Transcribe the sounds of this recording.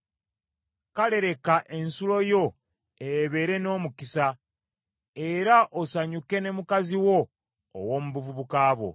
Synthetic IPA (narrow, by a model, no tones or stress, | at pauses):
kale̞ɾe̞kaʔe̞nsulo̞jo̞ | ejeβe̞ːɾe̞no̞ːmukisa | e̞ɾaʔosaɲuke̞ne̞mukaziwo̞̰ː | wo̞ːmuβuvuβukaːβo̞̰